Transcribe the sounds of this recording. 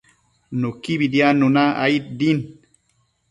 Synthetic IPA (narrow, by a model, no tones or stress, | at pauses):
nukibid̪janunaa̰it̪̚d̪in